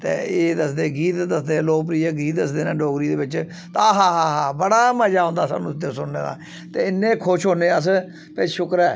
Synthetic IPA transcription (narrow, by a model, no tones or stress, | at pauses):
t̪ḛːeːd̪əsd̪eːɡiːt̪d̪əsd̪ẽːloːp̬ɾiːaːɡiːt̪̚d̪əsd̪eːnãːɖoːɡɾiːd̪eːbɪt͡ʃ | t̪aːɦaːɦaːɦaːbəɽaːməd͡ʒaːɦõnd̪aːsa̰ːnũːt̪ːesʊnnḛːd̪a̰ː | t̪eːɪnːẽːkʰʊʃɦoːnẽːəs̬ | peʃʊkɾɛː